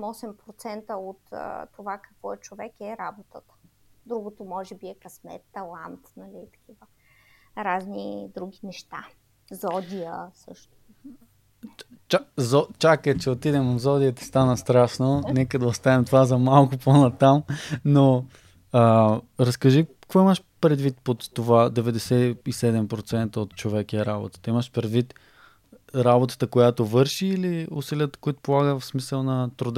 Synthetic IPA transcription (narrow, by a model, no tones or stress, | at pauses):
mɔsɛmpɾot̪sɛnt̪əot̪ːovakɐkvɔɛt͡ʃovɛkɛɾabot̪ət̪ə̥d̪ɾuɡot̪omɔʒɛbiɛkɐsmɛ̰t̪ːɐlˠant̪nɐlit̪ɐ̥kʲʰivə | ɾaznid̪ɾuɡ̟inɛʃt̪a̰ | zɔd̪ʲijəsɤʃt̪o̥ | t͡ʃazɔt͡ʃakɛt͡ʃɛot̪id̪ɛmɐvzɔd̪iət̪ɛ̥st̪anəst̪ɾaʃnonɛkəd̪ɐost̪anɛmt̪ovazɐmalˠkʊponɐt̪amno | əɾɐskɐʒikvɔiməʃ | pɾɛd̪vit̪pot̪ːovad̪ɛvɛd̪ɛsɛisɛd̪ɛmpɾot̪sɛnt̪əot̪̚t͡ʃovɛkɛɾabo̰t̪ə̥t̪iməʃpɾɛd̪vit̪ | ɾabot̪ə̥t̪əkojat̪ovɤɾʃiːliusiliət̪ə̥koit̪ʊ̥polˠaɡəvfsmisəlˠnɐt̪ɾʊd̪